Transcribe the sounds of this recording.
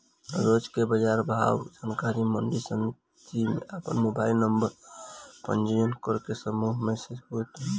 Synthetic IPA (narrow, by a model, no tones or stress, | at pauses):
ɾod͡ʒkebəd͡ʒaɾbʱa̰wd͡ʒankaɾiməɳɖisən | d͡ʒimḛapənmobailnəmbəɾpə̰nd͡ʒijənkəɾkesəmuɦmesed͡ʒɦot̪